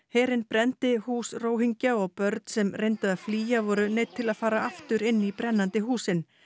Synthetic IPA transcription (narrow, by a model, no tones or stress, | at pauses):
hɛːɾɪnpɾɛnt̪ɪhuːsroːwɦiɲcaɔɣpœɾt̪̚sɛmrejnt̪aðafliːjavɔːɾʏnejt̪ʰːɪlaðfaːɾaaft̪ʏɾɪnːipɾɛnːant̪ɪɦuːsɪn